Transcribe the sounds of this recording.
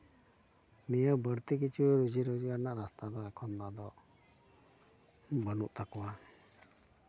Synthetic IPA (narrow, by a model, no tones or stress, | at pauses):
nijəbəɾt̪ikit͡ʃʰuɾud͡ʒiɾud͡ʒianaʔɾast̪ad̪ɔɛkʰɔnːad̪ɔ | bənuʔt̪akɔwa